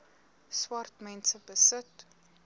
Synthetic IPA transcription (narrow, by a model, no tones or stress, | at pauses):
swɐrtmɛnsəbəsət